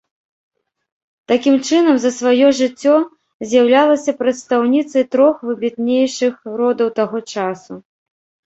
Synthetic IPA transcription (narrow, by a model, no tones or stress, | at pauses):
t̪akʲimt͡ʂɨnɐmzɐsvajɔʐɨt͡sʲːɔ | zʲjɐwlʲalˠɐsʲɐpɾɐt̪st̪awnʲit̪sɐjt̪ɾɔxvɨbʲit̪̚nʲejʂɨxɾɔd̪ɐwt̪aɣɔt͡ʂasu